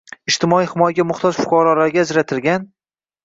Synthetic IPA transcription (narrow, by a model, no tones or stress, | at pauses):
ɪd͡ʒt̪ʰɪmɒijhɪmɒjaɡʲamʊχt̪ʰɒzfʊ̥qɒɾɒlaɾɡʲaːd͡ʒɾat̪ʰɪlɡʲan